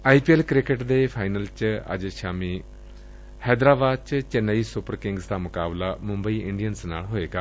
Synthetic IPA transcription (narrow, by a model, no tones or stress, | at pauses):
aːiːpiːɛlkɾɪkəʈd̪eːpʰaːinəlt͡ʃə̰d͡ʒʃaːmiː | hɛːd̪ɾaːbaːd̪̚t͡ʃt͡ʃənəiːsʊpəɾkɪ̃ŋɡzd̪aːmʊkaːblaːmʊ̃mbəiːʔɪɳɖijənsna̰ːlɦoːeːɡaː